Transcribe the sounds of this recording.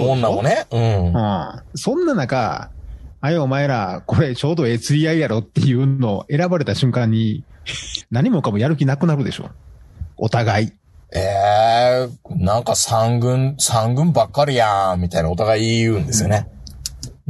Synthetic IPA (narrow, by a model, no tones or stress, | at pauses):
õnnːamoneɯ̟̃ɴɯ̃sõ̞nːanaka̰ː | joomaeɾako̞ɾe̞t͡ɕo̞ːd̪o̞e̞ːt͡sɨiaijaɾo̞t̪ːe̞jɯ̟ːo̞ʔe̞ɾabaɾe̞t̪aɕɨ̃ŋkãɲ̟ːi | naɲ̟imo̞kamo̞jaɾɯ̟k̬ʲinakɯ̟naɾɯ̟d̪e̞ɕo̞̰ | ot̪aɡai | e | nãŋkasãŋɡɯ̟̃ɴsãŋɡɯ̟̃mbakːaɾɯjãmʲit̪ainao̞t̪aɡaiɯ̟̃nd̪e̞ssɨjone